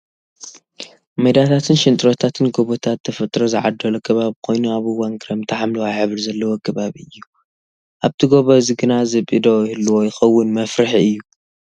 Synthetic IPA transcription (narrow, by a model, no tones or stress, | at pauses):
mɐjd̪at̪ʰat̪ʰɨnʃɪnt̪ʼɾot̪ʰat̪ʰɨnɡoβot̪ʰat̪ʰːɐfɐt̪ʼɾozɨʕa̰d̪ːɐlokʰɐβaβkʰo̞jnuaβɨwaŋɡɾɐmt̪ʰɐħamlɐwajħɨβɨɾzɐlːɐwokʰɐβaβiɨjːu | ʔaβt̪ʰiɡoβoziɡɨnazɐβʔid̪ojɪlːuwojɪxɐwːʊnmɐfɾɨħɨjːu